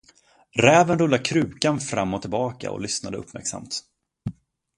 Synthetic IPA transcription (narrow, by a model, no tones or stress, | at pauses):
ɾɛːvənɾɵlːakʰɾʉ̟ːkanfɾamːɔt̪ʰɪlbɑːka̰ɔ̰lʏsnad̪əɵpːmæ̰ɾksa̰mt̪